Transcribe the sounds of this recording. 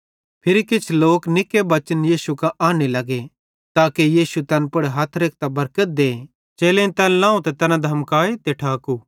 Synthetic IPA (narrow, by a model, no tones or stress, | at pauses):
pʰɪɾikɪt͡ʃʰloːknɪkebɐt͡ʃənjiːsukaʔaːnelɐɡe | t̪aːkejiːsut̪ɐnpɐɽɦat̪ʰɾeːk̚ʰt̪abɐɾkət̪̚d̪eː | t͡ʃeːlẽt̪ɛnlãːũt̪ɛt̪ɛnãd̪ʱɐmkaːet̪eʈʰaːku